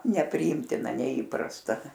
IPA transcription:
nʲɛpʲrʲɪˈiːmʲtʲɪnɐ nʲɛˈiːprɐstɐ

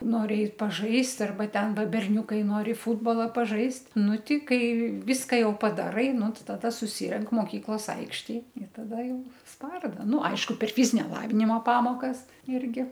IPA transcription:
ˈnoːrʲɪ ˈɛɪt pɐˈʒɐɪst ɐrˈbɐ ˈtʲɛn ˈʋɐ bʲɛrʲˈnʲʊkɐɪ ˈnoːrʲɪ ˈfuːdbɐlˠɐ pɐˈʒɐɪsʲtʲ ˈnʊ ˈtʲɪ ˈkɐɪ ˈʋʲiːskɑː ˈjɛʊ pɐdɐˈrɐɪ ˈnʊ ˈtʲɪ tɐˈdɐ sʊˈsʲɪrʲɛŋk moːˈkʲiːklˠoːs ˈɐɪkʃʲtʲeːj ɪr tɐˈdɐ ˈjɛʊ ˈspɐrdɐ ˈnʊ ˈɐɪʃkʊ pʲɛr ˈfʲiːzʲɪnʲɛ ˈlˠɑːʋʲɪnʲɪmoː ˈpɑːmoːkɐs ˈɪrʲɡʲɪ

